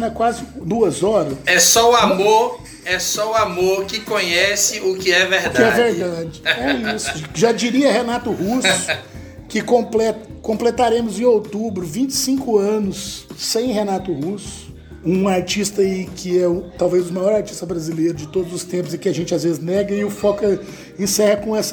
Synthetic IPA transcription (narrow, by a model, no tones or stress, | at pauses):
ɛkwazɪd̪uɐzɔɾɐsɛsɔʊamoɾ | ɛsɔʊamoɾkɪkõɲɛsɪʊkɪɛveɾd̪kɪɛveɾd̪ad͡ʒɪɛisʊʒad͡ʒiɾiɐɦenat̪ʊhusʊʊ | kɪkõplɛt̪ɐkõplet̪aɾẽmʊzẽj̃owt̪ubɾʊvĩt͡ʃɪ̥sĩkʊɐ̃nʊsːẽj̃ɦenat̪ʊhusʊ̥ | ũaɾt͡ʃist̪ɐikɪɛũt̪awvezʊmajɔɾaɾt͡ʃi̥st̪ɐbɾazilejɾʊd͡ʒɪt̪od̪ʊzʊst̪ẽmpʊzɪkɪaʒẽnt͡ʃɪazvezɪznɛɡɐɪʊfɔkɐ | ẽsɛhɐkõɛsɐ̥